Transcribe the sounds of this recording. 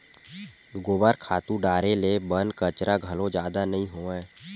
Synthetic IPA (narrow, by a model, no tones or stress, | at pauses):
ɡoːbaɾkʰaːt̪ũɖaːɾelebənkət͡ʃɾaɡʱəlõd͡ʒjaːd̪anəɦĩɦoːɛ̃ː